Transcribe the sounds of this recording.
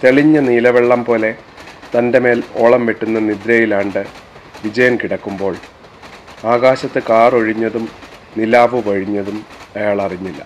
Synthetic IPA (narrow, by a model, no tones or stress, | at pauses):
t̪e̞ɭiɲːɐniːlɐʋeɭːɐmpo̞ːle̞t̪ɐnde̞me̞ːloːɭɐmʋeʈːunːɐnid̪ɾɐjilaːɳɖɨʋid͡ʑɐjɐmkiɽɐkːumbo̞ːɭ | aːɣaːɕɐt̪ːɨkaːro̞ɻiɲːɐðumnilaːʋuʋɐɻiɲːɐðumɐjaːɭɐriɲːilːɐ̰